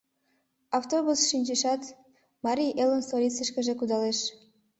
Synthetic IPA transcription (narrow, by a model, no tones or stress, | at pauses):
ɑft̪oβusʃinʲt͡ɕeʃɑt̪ | mɑɾʲijʔelonsolʲit͡səʃkə̆ʒekud̪ɑleʃ